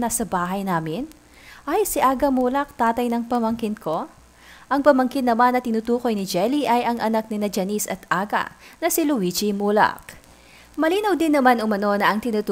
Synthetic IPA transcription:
nɐsɐbaːɦɐjnaːmɪn | ʔɐjsɪʔaːɡɐmuːlɐk̚t̪aːt̪ɐjnɐŋpɐmɐŋkɪnko̞ | ʔɐŋpɐmɐŋkɪnːɐmanːɐt̪ɪnuːt̪uːko̞jnɪd͡ʒɛliʔɐjɐŋʔɐnak̚nɪnɐd͡ʒɐnisɐt̪ʔaːɡɐ̰nɐsɪlʊwid͡ʒimulɐ̰k̚ | mɐliːnɐwd̪ɪnːɐmanʊmɐno̞nɐʔɐŋt̪ɪnut̪

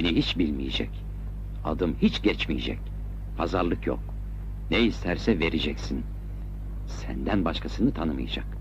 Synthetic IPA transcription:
eniɦit͡ʃbilʲmijḛd͡ʒɛ̰c | a̰d̪ɯmhit͡ʃɟ̥ɛt͡ʃmijḛd͡ʒɛ̰c | pʰazaɾlˠɯkjo̰k | neist̪ʰæɾsɛve̞ɾed͡ʒɛcsin | sæ̰nd̪ænbaʃkʰasɯnɯt̪ʰanɯmɯ̰jad͡ʒa̰k

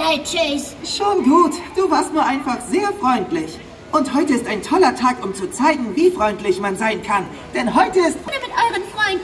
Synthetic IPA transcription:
het͡ʃisʃoːnɡuːtd̥uːvaːɐstnuːɐʔaɪnfaχz̥eːɐfʁ̥ɔʏntlɪç | ʔʊnthɔʏtəɪstaɪntʰɔlɐtʰaːkʊmt͡sut͡saɪɡŋ̩viːfʁ̥ɔʏntlɪçmanzaɪnkʰan | d̥ɛnɦɔʏtəɪstfnəmɪtʔɔʏʁənfʁ̥ɔʏn

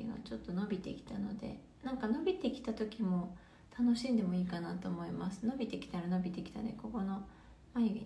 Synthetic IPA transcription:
ḭɡa̰t͡ɕo̞t̪ːo̞no̞bʲit̪e̞̰kʲi̥t̪ano̞d̪e̞̰ | nãŋkano̞bʲit̪e̞kʲi̥t̪at̪o̞kʲimo̞ | t̪ʰano̞ɕĩnd̪e̞moiːkanat̪o̞ːmo̞imasɨ̥no̞bʲit̪e̞kʲi̥t̪aɾano̞bʲit̪e̞kʲi̥t̪a̰d̪e̞̰ko̞ko̞no̞ | maiɡe

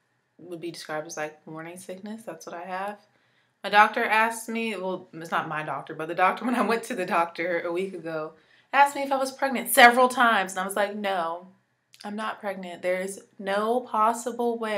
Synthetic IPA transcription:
wɨd̚bidɨskɹ̥aɪb̚dɨz̥laɪk̚mɔɹnɪ̃ŋsɪk̚nɨsðætswʌɾaɪəv̥ | maɪdɔk̚tə˞ʔæsksmiwɛlˠɪtsnət̚maɪdɔk̚tə˞bʌt̪̚ðɨdɔk̚tə˞wə̃ñaɪwɛ̃ntʰɨðɨdɔk̚tʰə˞ɨwikɨɡoʊ | æskmiɨfaɪwʌz̥pʰɹ̥ɛɡ̚nɨ̃ntsɛvɹl̩ˠtʰãɪ̃mzə̃naɪwʌzlaɪk̚noʊ | ãɪ̃mnət̚pʰɹ̥ɛɡ̚nɨ̃nðə˞z | noʊpʰɑsəbl̩ˠwe

